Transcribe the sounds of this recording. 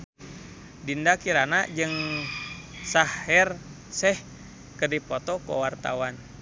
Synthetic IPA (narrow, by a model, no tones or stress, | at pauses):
dindakiɾanad͡ʒɨŋ | sahɛr | sɛh | kədipɔt̪ɔkɔ̰wart̪a̰wan